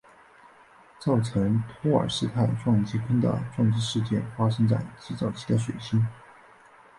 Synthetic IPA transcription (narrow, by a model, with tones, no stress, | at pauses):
t͡sɑ˥˩ʊʈ͡ʂʰɤ˧˥ŋt̪ʰɔ˥ə̰˨˩ʂɻ̩˥˧t̪ʰa˥˧ɪʈ͡ʂwɑ˥˧ŋt͡ɕi˧˥kʰə˥nd̪ə̰˩ʈ͡ʂwɑ˥˧ŋt͡sɻ̩˥˧ʂɻ̩˥˧t͡ɕjɛ˥˩nfa˥ʂɤ˥ŋt͡sa̰˥˩ɪt͡ɕi˥t͡sɑ˥˩ʊt͡ɕʰi̥˧˥d̪ə˧ʂwe˨˩ɪɕi˥n